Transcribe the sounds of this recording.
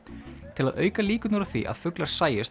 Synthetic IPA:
t̪ʰɪlaðœːɥkaliːkʏnɔɾaθvḭʔa̰ð̥fʏklaɾ̥saːjɪs

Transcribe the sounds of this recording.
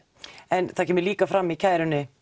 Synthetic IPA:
ɛnθacʰɛːmɪɾliːkafɾamːicʰajɾʏnːɪ

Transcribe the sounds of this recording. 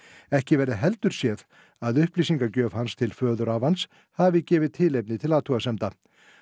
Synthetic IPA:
ɛhcɪvɛɾðɪɦɛlt̪ʏɾ̥sjɛð | aðʏhpliːsiŋkacœːv̥hanst̪ʰɪlfœːðʏɾavans | havɪcɛːvɪðt̪ʰɪlejp̬̚nɪt̪ʰɪlaːt̪ʰuɣasɛmt̪a

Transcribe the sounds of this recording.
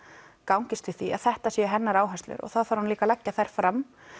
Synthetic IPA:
kawɲcɪst̪ʏθia̰ðθɛht̪asjɛɦɛnːaɾaːwɦast̪lʏ̰ɾɔ̰ɣθaðfaːɾhanliːkalacːaθajɾ̥fɾam

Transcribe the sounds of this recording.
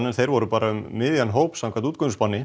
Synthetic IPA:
nɛnθejɾvɔɾʏpaːɾaʏmːɪðjanɦoːwpsawkʰat̪uːt̪kʰœŋspɔnːɪ

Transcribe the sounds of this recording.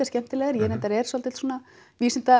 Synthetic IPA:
ascɛm̥t̪ɪlɛːɣaɾjɛnɛnt̪aɾɛɾ̥sɔlt̪ɪlsuːna | viːsɪnt̪a

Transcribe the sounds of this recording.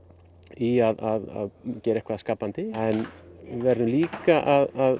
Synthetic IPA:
iaðaða̰ðcɛːɾaɛhkvaðskaːpant̪ɪɛnvɛɾðʏmliːkaʔaðað

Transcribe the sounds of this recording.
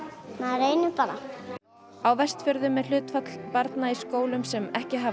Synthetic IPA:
maðɾeːjnʏpaɾa | awvɛst̪fœɾðʏmːɛl̥ʏːt̪fat̪l̥paɾt̪naiskoːwlʏmsɛmɛhcɪɦa

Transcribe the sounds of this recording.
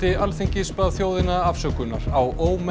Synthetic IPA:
ɪalθeɲcɪspaðθjoːwðɪnaafsœkʏnːa̰ɾawoːwm

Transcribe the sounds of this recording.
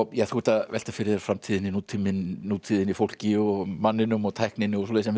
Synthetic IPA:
jɛθhut̪avɛ̰l̥t̪afɪɾɪð̥fɾamt̪ʰiːðɪninuːt̪ʰimɪnnuːt̪ʰiːðɪnifowl̥cɪɔmanːɪnʏmɔt̪ʰaːjhknɪnːɪɔs̬ɔleːsɛm

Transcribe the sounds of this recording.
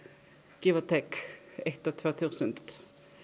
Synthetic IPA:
ɡ̥iʋət̪ʰɛkɛt̪ot̪ʰʋoːt̪ʰʉːsənt̪

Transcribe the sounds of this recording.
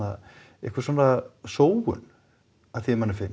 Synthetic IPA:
a | ḛhkvḁɾsɔːnasoːwɣʏ̰n | aðθimanːɪɾfɪn

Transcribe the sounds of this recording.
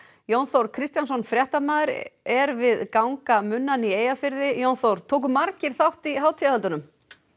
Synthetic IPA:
jownθowɾkʰɾɪst̪jansɔnfɾjɛht̪amaːðʏɾɛɾvɪðkawŋkamʏnːanieːjafɪɾðɪjownθowɾ̥t̪ʰoːk̬ʏmːaɾcɪɾ̥θawht̪iɦaːwt̪ʰijahœlt̪ʏnʏm

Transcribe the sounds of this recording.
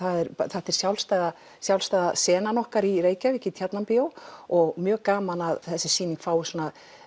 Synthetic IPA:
θaðɛɾθaht̪ɛɾ̥sjawlst̪aða | sjawlst̪aːðasɛːnanɔhkaɾiɾeːjcavɛhcɪt̪ʰjat̪nampɪowɔɣmjœːɣkaːmanaðθɛsːɪsiːniŋkfaːwɪ̥sɔːna

